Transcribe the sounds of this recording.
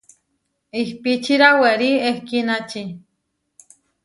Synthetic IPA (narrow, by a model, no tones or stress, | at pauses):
ihpit͡ʃiɾaweɾiehkinat͡ʃi